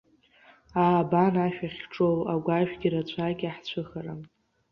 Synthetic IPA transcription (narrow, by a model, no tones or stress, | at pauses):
aːbanaʃᶣaχʲʈ͡ʂʼolaɡʷaʒᶣɡʲiɾat͡ɕʷʰaɡʲaħt͡ɕʷʰɨχaɾam